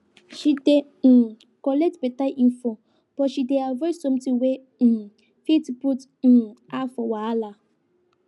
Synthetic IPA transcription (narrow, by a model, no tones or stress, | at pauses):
ʃide | kɔlɛk̚tbetaʔinfo | b̥ɔʃideavɔsõm̩tiwe | fitbut̩ | afɔwaala